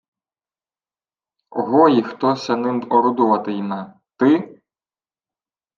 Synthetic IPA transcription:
ɔ̰ɦɔjixt̪ɔsʲɐnɪnd̪ɔɾʊd̪ɔʋɐt̪ɪjina | t̪ɪ

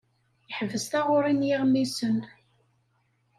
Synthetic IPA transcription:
jəħvəst̪æʁʊɾinjiʁmisən

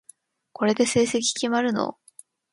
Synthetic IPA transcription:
ko̞ɾe̞d̪e̞se̞ːse̞k̬ʲi̥kʲimaɾɯ̟no̞̰

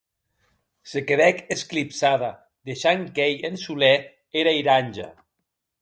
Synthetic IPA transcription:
sekeβɛkesklipsaða | d̪eʃaŋkejensulɛ | eɾaiɾanʲʒa̰

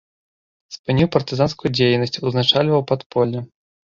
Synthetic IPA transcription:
spɨnʲiwpɐrt̪ɨzanskujud͡zʲejnɐsʲt͡sʲuznat͡ʂalʲvɐwpat̪pɔlʲːɐ

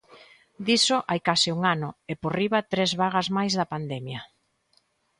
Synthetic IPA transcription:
d̪isoʔajkasɪuŋanʊeporiβɐt̪ɾezβaɣazmajzðɐpand̪ɛmjɐ

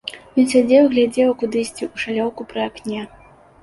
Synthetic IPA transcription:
jɔnsʲad͡zʲɛwɨɣlʲad͡zʲɛwɐkud̪ɨsʲt͡sʲiʔuʂalʲɔwkupɾɨaknʲɛ

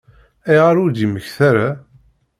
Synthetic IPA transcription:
iʁaɾʊd̪iməçθaɾa

